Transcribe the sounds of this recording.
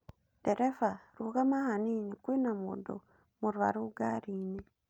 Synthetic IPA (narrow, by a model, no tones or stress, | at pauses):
d̥eɾefaɾuɣamahaniːnikwiːnamṵdo̰ | muɾuβa̰ɾuɡaɾine